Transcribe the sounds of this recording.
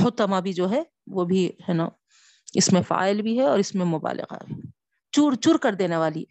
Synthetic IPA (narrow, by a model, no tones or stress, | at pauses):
hʊt̪əmabʱid͡ʒoːɦɛ | ʋoːbʱihɛːna | ɪsmẽfa̰ːɪlbʱiɦɛɔ̰ːɾɪsmẽmʊba̰ːlɪ̰ɣa̰ɦɛ | t͡ʃuːɾt͡ʃuːɾkɐɾd̪eːneʋaːli